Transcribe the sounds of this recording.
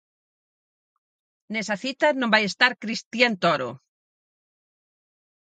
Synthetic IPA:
nesaθit̪anõmbajest̪aɾkɾist̪ient̪oɾo̰

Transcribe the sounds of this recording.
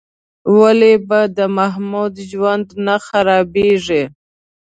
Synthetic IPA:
walebad̪əmaɦmud̪ʒwand̪naxaɾɑbeʐi

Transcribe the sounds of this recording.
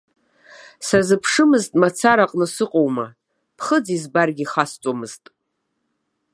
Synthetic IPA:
sazɨpʰʂɨmɨztʼmat͡sʰaɾaqʼnɨsɨqʼowma | pʰχəd͡zizbarɡʲiχast͡sʷʼamɨz̥tʼ

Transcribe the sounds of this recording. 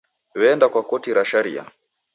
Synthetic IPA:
wɛːndakwakɔtiɾaʃaɾḭa̰

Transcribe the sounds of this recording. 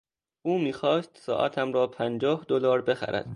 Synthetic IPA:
ʔuːmiːxɒːst̪sɒ̰ːʔæ̰t̪ʰæmɾɒːpʰænd͡ʒɒːhd̪olɒːɾbe̞xæ̰ɾʔæ̰d̪̥

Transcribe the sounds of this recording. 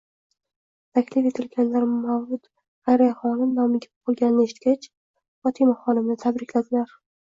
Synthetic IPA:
t̪ʰakʲlɪfet̪ʰɪlɡʲanlaɾmawʊt̪ | ʁajɾaaχɒnɪmnɒmɪɡʲap̚qʰolˠɡʲanɪnɪeʃɪt̪̚kʲat͡ʃ | ɒt̪ʰimaχɒnɪmnɪt̪ʰabɾɪkʲlad̪ɪlaɾ

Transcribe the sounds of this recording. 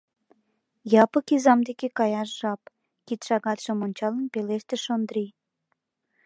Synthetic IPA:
jɑpəkizɑmd̪ekekɑjɑʃʒ̥ɑp | kit̪ʃɑɣɑt̪ʃə̆monʲt͡ɕɑlənpeleʃt̪eʃond̪ɾi

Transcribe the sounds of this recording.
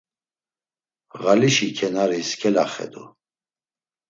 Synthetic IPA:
ʁaliʃikʰɛnaɾiskʰɛlaχɛ̰d̪ṵ

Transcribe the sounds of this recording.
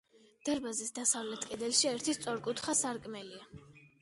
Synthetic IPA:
d̪̥aɾbazisd̪asavlɛt̪ʰkʼɛd̪ɛlʃiɛɾt̪ʰist̪sʼɔɾkʼut̪ʰχasaɾkʼmɛlia

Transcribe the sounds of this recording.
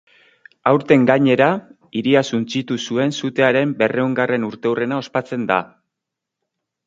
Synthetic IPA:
awɾt̪e̞ŋɡaɲe̞ɾa | iɾiasunt͡sit̪usue̞nsut̪e̞aɾe̞mbe̞re̞uŋɡare̞nuɾt̪e̞wre̞nao̞spat͡se̞nd̪a̰

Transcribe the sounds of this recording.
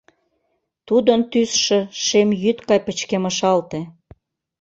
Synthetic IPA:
t̪ud̪ənt̪ysʃĕʃemjyt̪kɑjpət͡ɕkeməʃɑlt̪e

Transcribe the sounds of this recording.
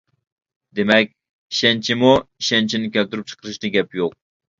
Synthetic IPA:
d̪emɛk̚ʲ | i̥ʃɛnt͡ʃʰimuiʃɛnt͡ʃʰinɪkʲʰɛlt̪yɾyp̚t͡ʃʰə̥qʰəɾɨʃd̪ɨɡʲɛpjoq̚

